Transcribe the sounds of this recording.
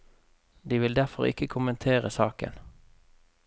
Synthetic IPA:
d̪iːʋɪld̪æʁfɔʁɪ̰kəkʰʊmənt̪ʰeːʁəsɑːkə̰n

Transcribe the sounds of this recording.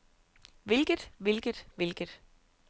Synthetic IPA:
ʋe̝lɡ̥əd̥ˠʋe̝lɡ̥əd̥ˠʋe̝lɡ̥əd̥

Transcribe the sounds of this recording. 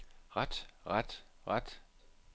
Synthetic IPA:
ʁad̥ʁad̥ʁad̥

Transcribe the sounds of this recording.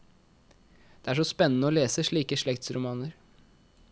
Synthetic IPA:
d̪̥ɛːæʂɔspɛnːənəoːleːsəʂɭiːkəʂɭɛkt̪sɾʊmɑːnəɾ

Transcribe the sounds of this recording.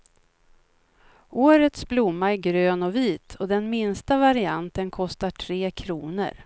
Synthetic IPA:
oːɾət̪sblʊmːaæɾɡɾøːnɔviːt̪ʰɔd̪ɛnmɪnst̪avaɾɪant̪ənkʰɔst̪aʈʰɾeːkʰɾuːnə̰ɾ

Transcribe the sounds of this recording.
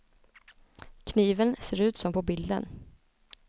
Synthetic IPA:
kʰniːvənseːɾʉ̟ːt̪sɔmpʰɔbɪld̪ə̰n

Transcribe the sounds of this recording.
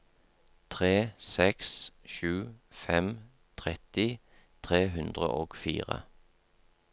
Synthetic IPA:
t̪ʰʁeːsɛksʃʉːfɛm | t̪ʰʁɛt̪ɪ | t̪ʰʁeːɦʉnd̪ʁəʔoːɡ̥fḭːʁə̰

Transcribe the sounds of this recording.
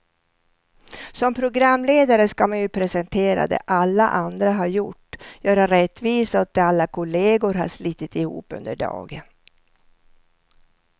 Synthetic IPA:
sɔmpʰɾʊɡɾamːleːd̪aɾəskamanjɵpʰɾɛsɛnt̪ʰeːɾa̰d̪ɛ̰ʔalːa̰ʔand̪ɾaɦaɾjʊʈːjœːɾaɾɛt̪ːviːsaɔt̪̚d̪ɛalːakʰʊleːɡʊɾɦa̰ʂliːt̪ːɪt̪ɪhṵːpːɵ̰nd̪əɖɑ̰ːɡən

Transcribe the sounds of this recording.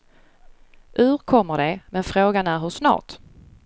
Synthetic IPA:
ɵ̟ɾkʰɔmːəɖɛmɛnfɾoːɡanæɾɦɵʂnɑ̰ːʈ

